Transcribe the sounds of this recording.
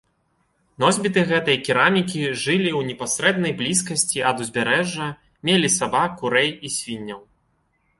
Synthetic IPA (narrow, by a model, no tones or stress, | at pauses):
nɔzʲbʲit̪ɨɣɛt̪ɐjɐkʲiɾamʲikʲiʐɨlʲiwnʲɛpasɾɛd̪̚nɐjblʲis̬kɐsʲt͡sʲiʔɐd̪uzʲbʲaɾɛʐːɐ | mʲelʲisabakuɾɛjisʲvʲinʲːɐw